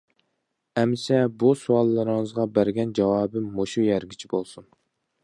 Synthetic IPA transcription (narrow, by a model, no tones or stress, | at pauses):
ɛmsɛbusuɑlˠːɨɾɨŋɨzʁɑbæɾɡʲɛnd͡ʒɑwɑːbɪmːoʃujæɾɡʲit͡ʃʰibolˠsun